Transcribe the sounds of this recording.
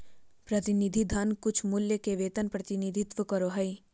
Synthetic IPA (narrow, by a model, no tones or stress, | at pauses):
pɾɐt̪ɪnid̪ʱid̪ʱɐnkʊt͡ʃʰmʊljəkeʋeːt̪ənpɾɐt̪ɪnid̪ʱɪt̪ʋəkəɾoɦɐi